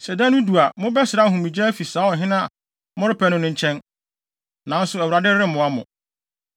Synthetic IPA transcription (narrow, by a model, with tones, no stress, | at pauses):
sɛ˨dã˦nʊ̃˦du˨a˨mʊ̃˦bɛ˦sɪ˨ɾa˦˨ɦũ˨mĩ˨d͡ʑɛ˦fi˨saː˨˦ɔ˨ɦɪ̃˦nã˦˨ | mʊ̃˦ɾɪ˦pʰɛ˦nʊ̃˦nʊ̃˦ɲ̩˦t͡ɕʰɛ̃˦n | nã˨n̩˦sʊ˨˦ɛ˨wu˨ɾa˨dɪ˦ɾɾɪ˦m̩˦mʊ̃˨a˦mʊ̰̃˨